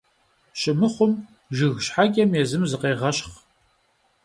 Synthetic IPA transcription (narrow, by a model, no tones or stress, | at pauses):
ɕʼɪmɨχʷʊm | ʒɨɣɕħaɡʲɐmjɛzɨmzɨqeːʁɐɕχ